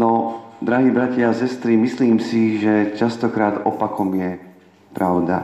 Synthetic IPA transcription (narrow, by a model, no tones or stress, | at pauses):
nɔd̪ɾaɦiːbɾacaasɛst̪ɾimisliːmsiʒɛt͡ʃast̪ɔkɾaːd̪ɔpakʰɔmjɛ | pɾaʊd̪a̰